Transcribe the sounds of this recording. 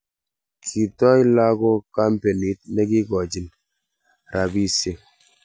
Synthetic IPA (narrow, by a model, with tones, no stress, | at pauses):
kʰi˨tɔ˦i˦la˦ko˦ka˦mpe˨ni˨˦t̚ne˦ki˦ɡɔ˨d͡ʒi˨n | ɾa˨bi˦se˨